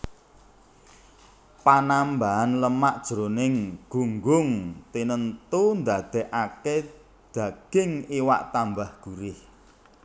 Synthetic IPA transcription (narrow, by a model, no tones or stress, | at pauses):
panambaɦanləmaʔd̥ʒ̥ɾonɪŋɡ̥uŋɡʊŋt̪inənt̪und̪ad̪̥ɛ̤ʔake | d̪̥ä̤ɡ̥ɪŋiwa̰ʔt̪ambahɡ̥uɾɪh